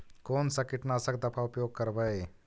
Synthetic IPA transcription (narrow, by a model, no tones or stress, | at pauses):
koːnsɐkɪʈnasɐk̚d̪ɐpʰaʊpjoːɡ̚kɐɾbəj